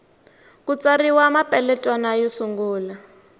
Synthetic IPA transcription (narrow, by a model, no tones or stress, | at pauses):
kut͡sʼariwamapʼɛlɛtʼwanajɔsuŋɡuːla